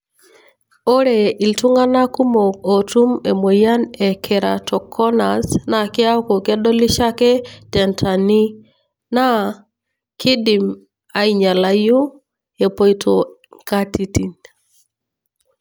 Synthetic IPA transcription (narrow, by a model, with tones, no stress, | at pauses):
o˦ɾe˨i˨ltu˦ŋa˦na˦ku˦mo˨kotu˦me˨mo˨ja˦nɛ˨kʰɛɾa̰tʰɔ˨kʰɔ˦nasna˨ki˦a˦u˦ko˨kɛ˦dɔ˦li˦ʃa˦kɛ˦tɛ˨ntʰa˨ni˦ | na | kʰi˦di˨m | a˨iɲa˨laju˦ | ɛ˨po˦itʰoŋkati˨ti˨n